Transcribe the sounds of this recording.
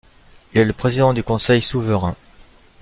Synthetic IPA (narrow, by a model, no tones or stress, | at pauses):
ilɛləpχezid̪ɑ̃d̪ykɔ̃sɛjsuvəʁɛ̃